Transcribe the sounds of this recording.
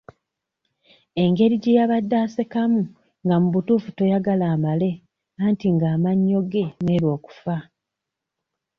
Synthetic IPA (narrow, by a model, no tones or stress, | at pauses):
e̞ŋɡe̞ɾiɟejaβadːaːse̞kamu | ŋɡamuβutuːfu̥to̞jaɡalaːmale̞ | aːntiŋɡaːmaɲːo̞ɡe̞neːɾwo̞ːku̥fa